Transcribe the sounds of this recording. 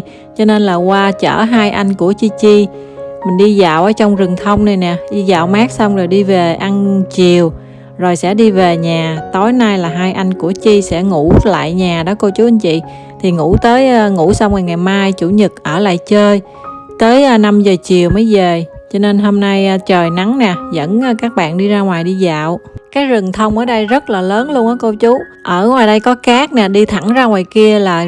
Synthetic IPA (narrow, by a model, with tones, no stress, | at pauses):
t͡ɕɔ˧ne˧nlaː˨˩kwaː˧t͡ɕə̰ː˧˩ɦaː˧jʔa˧jŋ̟ku˧˩ət͡ɕi˧t͡ɕi˧ | mï˨˩ŋ̟ɗi˧zaː˨wʔəː˧˦t͡ɕɔ˧wŋ͡mzɨ˨˩ŋt̪ʰə˧wŋ͡mna˨˩jnɛ˨˩ɗi˧zaː˨wmaː˦˥k̚sa˧wŋ͡mzo˨˩jɗi˧ve˨˩ʔa˧nt͡ɕi˨˩əw | zo˨˩jsɛ̰˧˥ɗi˧ve˨˩ɲaː˨˩t̪o˨˦jnaː˧jlaː˨˩ɦaː˧jʔa˧jŋ̟ku˧˩ət͡ɕi˧sɛ̰˧˥ŋṵ˧˥la̰ː˧˨jɲaː˨˩ɗɔ˨˦ko˧t͡ɕu˨˦ʔa˧nt͡ɕḭ˧˨ | t̪ʰi˨˩ŋṵ˧˩˥t̪əː˨˦jŋṵ˧˥sa˧wŋ͡mŋa˨˩jŋa˨˩jmaː˧jt͡ɕu˧˩ɲɨ˨˩t̚ʔəː˧˩la̰ː˧˨jt͡ɕəː˧j | t̪əː˨˦jʔːna˧mzəː˨˩t͡ɕi˨˩əwmə˨˦jzəː˨˩t͡ɕɔ˧ne˧nɦo˧mna˧jt͡ɕəː˨˩jna˨˦ŋnɛ˨˩zə̰˧˥nː˧kaː˦˥k̚ɓa̰ː˧˨nɗi˧zaː˧ŋwaː˨˩jɗi˧za̰ː˧˨wkaː˨˦˥jzɨ˨˩ŋt̪ʰə˧wŋ͡mʔəː˧˩ɗə˧jzə˦˥t̚laː˨˩ləː˨˦nlu˧ənʔəː˨˦ko˧wt͡ɕu˨˦ | ʔəː˧˩ŋwaː˨˩jɗə˧jkɔ˨˦kaː˦˥k̚nɛː˨˩ɗi˧t̪ʰa˧˩ŋzaː˧ŋwaː˨˩jki˧əlaː˨˩